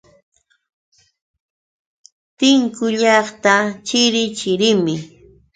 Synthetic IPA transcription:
t̪ɪŋkʊʎɑχt̪at͡ʃɪɾɪt͡ʃɪɾɪmɪ

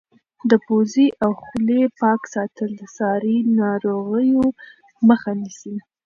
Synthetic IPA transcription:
d̪əpoziʔawxlepɑksɑt̪əld̪əsɑɾinɑɾoɣəjo | məxanisi

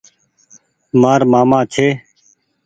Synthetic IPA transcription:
maːɾmaːmãːt͡ʃʰeː

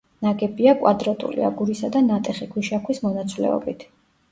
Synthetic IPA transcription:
naɡɛbiakʼwad̪ɾat̪ʼṵlḭa̰ɡuɾisad̪anat̪ʼɛχikʰwiʃakʰwismɔnat̪sʼʰlɛ̰ɔ̰bit̪ʰ

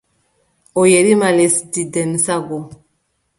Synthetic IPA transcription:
ojeɾimalesdidɛnsaɡo

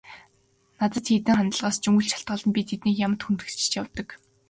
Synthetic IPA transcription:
nat͡s̪ə̆t̪xiːt̪ɘ̆ŋχant̪ə̆ɮʁaːst͡ɕuŋɡɘ̆ɬt͡ɕʰḁɬt̪ɢə̆ɮə̆mpʲit̪ʰet̪niːkjamə̆t̪xunt̪ɘ̆k̆t͡ɕɪ̥̆t͡ɕjawt̪ə̆k

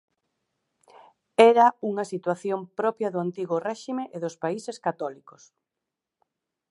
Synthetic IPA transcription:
ɛɾɐuŋɐsit̪waθjompɾɔpjɐðʊant̪iɣʊrɛʃimeʔeðʊspaiseskat̪ɔlikʊ̥s

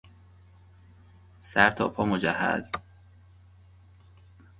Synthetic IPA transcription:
sæɾt̪ʰɒ̰ːpʰɒːmod͡ʒæhːæ̰z

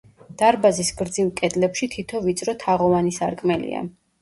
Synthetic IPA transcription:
d̪̥aɾbazisɡɾd̪zivkʼɛd̪lɛpʃit̪ʰit̪ʰɔvit̪sʼɾɔt̪ʰaʁɔvanisa̰ɾkʼmɛlḭa̰

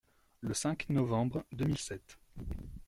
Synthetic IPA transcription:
ləsɛ̃knɔvɑ̃bʁd̪ømilsɛt̪

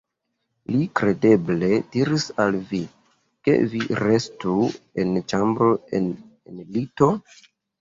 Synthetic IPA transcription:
likɾe̞de̞ble̞diɾisalvi | ke̞̰viɾe̞stuent͡ʃambɾo̞ḛn | enlito̞

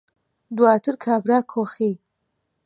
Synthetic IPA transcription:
d̪waːt̪ʰɨɾkʰaːbɾaːkʰoxi

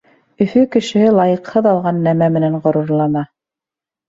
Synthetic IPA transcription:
ɵ̆fɵkɘ̆ʃɘ̆hɘlˠɑjɤ̆qhɤðɑlˠʁɑnːæmæmɘ̆næɴʁɤ̆ɾuɾlˠɑnɑ

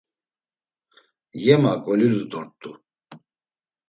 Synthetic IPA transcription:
jɛmakʼɔlilud̪ɔɾt̪ʼu

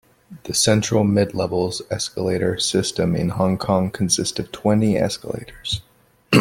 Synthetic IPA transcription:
ðɨsɛ̃nt͡ʃɹ̥l̩ˠmɪdˡlɛvl̩ˠzɛskəleɪɾə˞sɪstɨ̃mɪ̰̃nhɑ̃ŋkʰɑ̃ŋkʰn̩sɪstʌv̥tʰw̥ɛ̃ntiɛ̰skəlḛɪɾə˞z̥

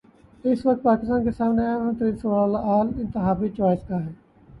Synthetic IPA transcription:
ɪsʋək̚t̪̚paːkɪst̪aːnkesaːmneaə̃t̪ɾiːsəʋaːaːlaʔaːlɪ̃nt̪ɪɦaːbit͡ʃaːɪskaːɦɛː

